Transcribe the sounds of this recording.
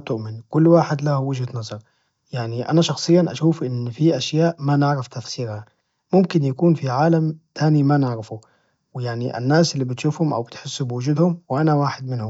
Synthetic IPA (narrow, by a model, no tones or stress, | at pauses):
t̪ʊʔmɪnkʊlːwaːħɪd̪lahwɪd͡ʒhad̪nɑzˤɑɾˤ | jaʕniʔa̰naʃɑxsˤɨjːanʔa̰ʃuːfʔɪnfiʔaʃjaːʔmanɪʕɾɑft̪afsiːɾha | mʊmkɪnjakuːnfiʕaːlamt̪ʰaːnimanɪʕɾɪfu | wɪjaʕniʔa̰nːaːsʔɪlːibɪt̪ʃuːfhʊmʔa̰wbɪt̪ħɪsːubɪwʊd͡ʒuːd̪hʊmwɪʔanawaːħɪd̪mɪnhʊm